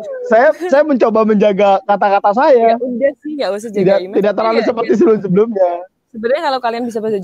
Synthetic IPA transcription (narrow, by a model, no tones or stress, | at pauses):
sajasajaməɲt͡ʃobaməɲd͡ʒaɡakat̪akat̪as̬ajaindasijasidat̪idak̚t̪ərlalus̬əpərt̪is̬əbəlʊmsəbəlʊmɲa | səbəlɲakalawkalianbis̬abəsa